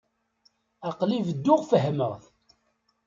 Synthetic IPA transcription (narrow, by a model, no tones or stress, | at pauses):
ɑqlivəd̪ːʊʁfəɦməʁθ